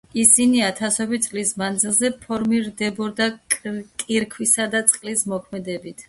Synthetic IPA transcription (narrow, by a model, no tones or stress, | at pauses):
isiniat̪ʰasɔbit̪sʼlismand̪zilˠzɛpʰɔɾmiɾd̪ɛbɔɾd̪akʼiɾkʰwisad̪at̪sʼqʼlismɔkʰmɛd̪ɛbit̪ʰ